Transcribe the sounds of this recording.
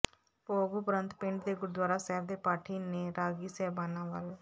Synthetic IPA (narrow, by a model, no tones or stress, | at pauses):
poːɡupɾə̃nt̪pɪ̃ɳɖd̪eːɡʊɾd̪waːɾaːsɛːɾd̪eːpaːʈʰiːneːɾaːɡiːsɛːbaːnaːʋəl